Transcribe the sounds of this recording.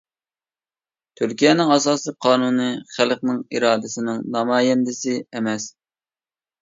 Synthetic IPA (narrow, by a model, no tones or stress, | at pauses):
t̪ʰyɾkʲijɛnɪŋɑsɑːsɨqʰɑːnunɨχælqnɪŋiɾɑːd̪ɪsɪnɪŋnɑmɑːjɛnd̪ɪsɪɛmɛs